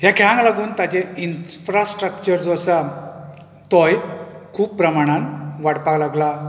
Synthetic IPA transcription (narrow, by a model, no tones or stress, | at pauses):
ɦjakʰɛɭãŋklaɡuːnt̪at͡ɕeinfɾasʈɾək̚t͡ɕəɾd͡zɔsa | t̪ɔj | kʰuːppɾəmaɽ̃ãnʋaɽpaklaɡla